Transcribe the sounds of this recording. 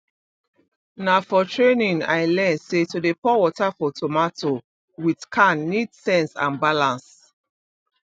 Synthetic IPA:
nafɔtʰɹenĩŋa̰ɪlɛ̃nsetudepɔwɔtafɔtʰɔmatʰo | widkʰãnːidsɛ̃nsã̰nbalãns

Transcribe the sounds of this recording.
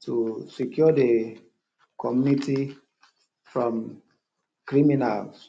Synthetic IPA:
tusikjɔde | kʰɔmjuniti | fɹɔ̃m | kɹiminals

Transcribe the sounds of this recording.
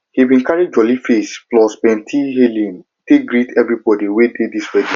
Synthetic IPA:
hibĩnkaɹid͡ʒɔlifesplɔspɛ̃ntʰiɦelĩn | teɡɹitʰɛvɹibɔdiwedediswɛdĩ

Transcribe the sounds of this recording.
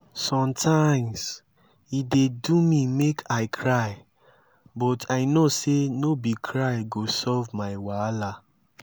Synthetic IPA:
sɔ̃mtʰaɪ̃ms | idedumĩmekʰaɪkʰɹaɪ | bɔtʰaɪnosenobikʰɹaɪɡosɔvmaɪwala

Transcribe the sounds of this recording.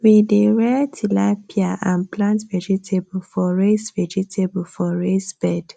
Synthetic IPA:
wideɹɛtʰilapʰiaʔãnplãntvɛd͡ʒitʰebfɔɹesvɛd͡ʒitʰebfɔɹesb̥ɛd̥

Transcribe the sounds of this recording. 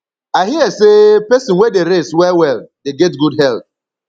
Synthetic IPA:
aɦiɛsepɛsɪ̃nwedeɾestwɛwɛldeɡɛtɡudɦɛlp̚

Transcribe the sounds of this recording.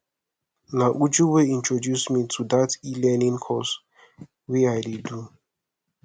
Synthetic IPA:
naʔud͡ʒuweĩntʰɹodjusmitʰudatilɛnĩŋkʰɔs | wiajdedu

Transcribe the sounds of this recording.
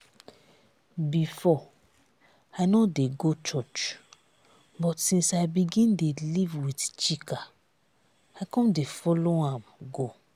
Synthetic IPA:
bifɔ | aɪnɔdeɡot͡ʃɔt͡ʃ | bɔtsĩnsajbiɡĩndelivwiθt͡ʃika | aɪkɔ̃mdefɔloãmɡo

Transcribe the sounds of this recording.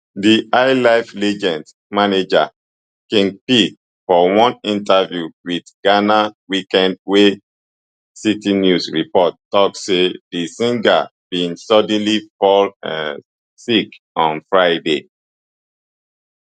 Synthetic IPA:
diʔaɪlaɪflɛd͡ʒɛ̃nd | maned͡ʒa̰ | kɛ̃npi | fɔwɔ̃nĩntavjuwidɡanawikɛ̃nd̚we | sitinjusɹipɔttɔk̚sedisĩŋɡa̰b̥ĩnsɔdɛ̃nlifɔlã̰n | sik | ɔ̃nfɹaɪde

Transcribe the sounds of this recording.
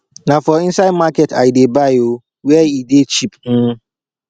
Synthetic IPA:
nãfɔĩnsaɪdmakɛta̰idebaɪo | wɛidet͡ʃʰipn̩

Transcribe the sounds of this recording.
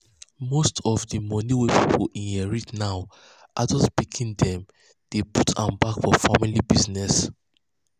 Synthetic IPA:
mostʰɔfdəmɔniwɛpʰipʰoʔĩnhɛɹitnaʊ | ʔadɔspikʰĩndɛ̃m | d̥eputʰãmbakfɔfamilibiznɛs

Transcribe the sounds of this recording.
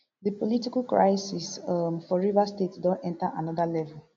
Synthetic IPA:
dipolitikalkɹa̰ɪsisfɔɹivastetdɔ̃nɛ̃ntaʔanɔðalɛvɛl

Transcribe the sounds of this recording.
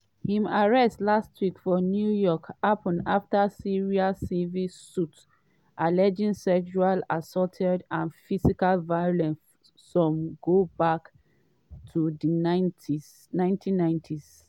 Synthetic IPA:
hĩmaɹɛstlastʰwikfɔnjujɔkapɔ̃naftasiɹiasivissut | ʔalɛd͡ʒĩnsɛʃualasɔtʰɛdãnfisikalvajɔlɛ̃nː | ɔ̃mɡobak | tʰudiantis | nãɪ̃ntʰĩnːãɪ̃ntʰis

